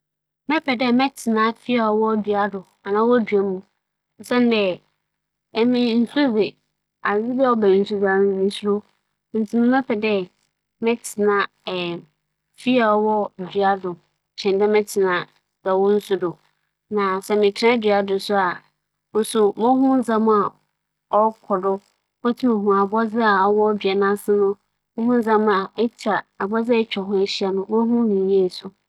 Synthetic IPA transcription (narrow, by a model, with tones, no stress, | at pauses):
mɛ̃˦pʰɛ˨dɛ˦mɛ̃˦tʰɪ˨nã˦fi˦a˨wɔ˦dɥa˦dʊ˨ | a˨nã˨˦wɔ˦dɥa˨mũ˨ | n̩˨sɛ̃˦n˦dɛ˦ | ɛ˦mɪ̃˦n̩˦su˦zɪ˨ | a˨zɪ˦bwɔ˦bɛ˨n̩˨˦su˦dã˨˦˨mĩ˨su˦ɾʊ˦ | n˨tʰĩ˨mũ˦mɛ̃˦pʰɛ˨dɛ˦ | mɛ̃˦tʰɪ˨nã˦˨ | fi˦a˨wɔ˦dɥa˦dʊ˨ | tʰɪ̃˨ndã˦mɛ̃˦tʰɪ˨nã˨ | d̥ɛ˨wɔ˦n̩˦sʊ˦dʊ˨ | nã˨sɛ˨mɪ̃˨tʰã˦dɥa˨dʊ̃˨sʊ˦a˨ | ʊ˦sʊ˨mɔ˦hũ˦n̩˦zã˦m˦a˨ | ɔ˦kʰɔ˨dʊ˦ | mo˦tʰi˦mo˨ɦũ˨a˨bɔ˦zɪ˦a˨ɔ˨˦wɔ˦bɥɛ˨nã˦sɪ˦nʊ̃˦ | mʊ̃˦hũ˦n̩˦d͡zã˦m˦a˨ɛ˦tʰa˨a˨bɔ˦d͡zɪ˦ɛ˦t͡ɕᶣɔ˨ɦʊ̃˦e˦ɕi˦a˨nʊ̃˦bo˦ɦũ˦nĩ˨je˦˨sʊ˨